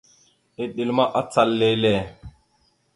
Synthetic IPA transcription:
i˨ɗi˨lma˦ʔa˦t͡sa˨lːe˨jle˨

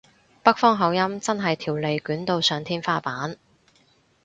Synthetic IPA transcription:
pɐ˥k̚fɔː˥ŋɦɐ˨˥wjɐ˥mt͡sɐ˥nɦɐ˨jt̪ʰiː˨˩wle˨˧jkyː˨˥nt̪o˧wsœː˨˧ŋt̪ʰiː˥nfaː˥paː˨˥n

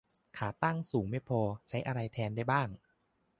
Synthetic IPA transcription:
kʰaː˩˦t̪a˥˩ŋsuː˩˦ŋma˥˩pʰɔː˧t͡ɕʰa˦˥jʔa˧ɾa˧jt̪ʰɛː˧nda˥˩jbaː˥˩ŋ

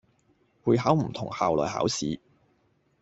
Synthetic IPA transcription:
puː˨˧jɦaː˨˥wm̩˨˩t̪ʰʊ˨˩ŋhaː˨wlɔ̰ː˨jha̰ː˨˥wsiː˨˥

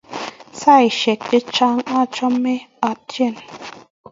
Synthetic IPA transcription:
sa˦˨i˨ʃɛ˨k̚te˦t͡ʃa˦ŋa˦t͡ʃɔ˦me˦a˨tjɛ˦˨n

